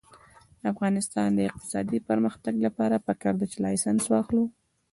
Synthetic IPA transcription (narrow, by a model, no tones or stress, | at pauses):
afɣɑnɪst̪ɑnd̪əɪq̚t̪ɪ̥sɑ̰d̪ipəɾməxt̪aɡlapɑɾapakɑɾd̪at͡ʃelɑjsanswɑxlu